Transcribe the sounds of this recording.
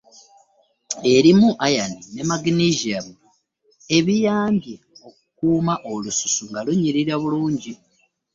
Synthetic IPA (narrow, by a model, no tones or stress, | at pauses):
e̞ɾimuʔajanine̞maɡiniʒiaβu | e̞βijaːmbje | okukuːmaʔolusu̥suŋɡaluɲiɾiɾaβuluːɲɟi